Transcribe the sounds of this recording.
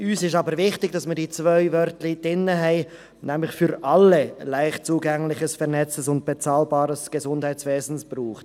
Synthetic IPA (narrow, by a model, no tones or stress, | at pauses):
yːsɪʃtɑːbəɾvɪxtɪɡ̥̚d̥ɑsmədiːt͡svœʏvœɾtlɪd̥ɪnːəɦɛɪ | nɛmlɪçfyɾʔalelaɪxt̚t͡suːɡɛŋlɪçəsfɛʁnɛt͡səsʊnt̚b̥et͡saːlbaːɾəsɡ̥əzʊnd̥haɪt͡sveːzn̩sb̥ruːχt